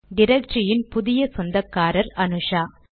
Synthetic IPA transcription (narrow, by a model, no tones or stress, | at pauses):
d̪ɪɾɐk̚t͡ʃɪjɪnpʊðɪjɐsɔnd̪ɐkːaːɾɐɾɐnɯʂaː